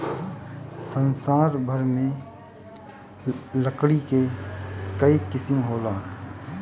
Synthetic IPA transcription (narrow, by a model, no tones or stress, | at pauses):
sə̃nsaːɾbʱəɾmẽ | ləkɽike | kəikɪsmɦoːlaː